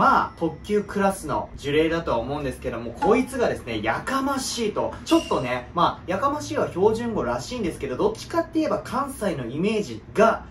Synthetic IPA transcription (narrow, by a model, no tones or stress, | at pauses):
maːt̪o̞kʲːɨːkɯ̟ɾasɨno̞̰d͡ʑɨɾe̞ːd̪at̪o̞βaomo̞ɯ̃nd̪e̞sɨ̥ke̞ed̪o̞mokʰo̞it͡sɨɡad̪e̞sɨne̞jakamaɕiːt̪o̞t͡ɕo̞t̪ːo̞ne̞maːjakamaɕiːβaço̞ːʑɨ̃ŋɡo̞ɾaɕiːnd̪e̞sɨ̥ke̞d̪o̞d̪o̞t͡ɕːi̥kat̪ːe̞ie̞bakʰãɰ̃saino̞ime̞ːʑiɡa